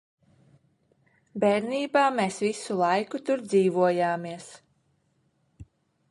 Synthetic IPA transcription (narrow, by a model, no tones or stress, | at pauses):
beːɾniːbaːmeːsvisulˠajkut̪uɾd̪ziːvuɔjaːmiɛs